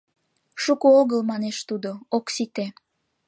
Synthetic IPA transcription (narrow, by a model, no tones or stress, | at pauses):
ʃukooɣəlmɑneʃt̪ud̪ooksit̪e